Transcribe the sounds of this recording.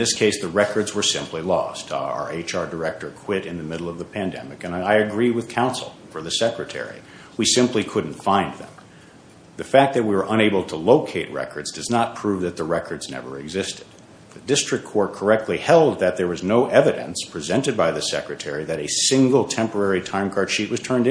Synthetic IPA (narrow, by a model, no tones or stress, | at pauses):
n̩ðɪskʰeɪsðɨɹɛkə˞dzwə˞sɪ̰̃mpʰlilɔ̰stə̰˞eɪt͡ʃɑɹdə˞ɛk̚tə˞kʰw̥ɪɾɨ̃nðɨmɪɾl̩ˠʌvðəpʰæ̃ndɛ̰mɨkɨ̃naɪɨɡɹiwɨð̥kʰãʊ̃nsl̩ˠfə˞ðɨsɛkɹɨtʰɛ̰ɹḭ | wisɪ̃mplikʰʊdⁿn̩tfãɪ̃nðɨ̰̃m | ðɨfæk̚ðɨt̚wiwə˞ʔʌ̃ɾ̃eɪbl̩ˠtʰəloʊkʰeɪt̚ɹɛ̰kə˞dzdʌznət̚pʰɹ̥uvðɨt̪̚ðəɹɛkʰə˞dznɛ̰və̰˞ɨɡzɪstɨd̪̚ | ðɨdɪstɹ̥ɨkʰːɔɹt̚kʰə˞ɛk̚tʰˡlihɛlˠd̪̚ðɨt̪̚ðə˞wʌznoʊʔɛvɨɾɨ̰̃nspʰɹ̥izɛ̃ntɨd̚baɪðɨsɛkɹɨtʰɛɹiðɨɾɨsɪ̃ŋɡl̩ˠtʰɛ̃mpə˞ɛɹitʰãɪ̃mkʰɑɹd̥ʃiʔ̚wʌz̥tʰɜ̃˞ndɨ̃